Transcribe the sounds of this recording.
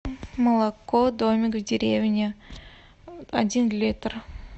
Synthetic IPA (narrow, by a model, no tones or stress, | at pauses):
mɐlˠakːod̪omʲɪkvd̪ʲeɾʲevʲnʲe | adʲinlʲit̪r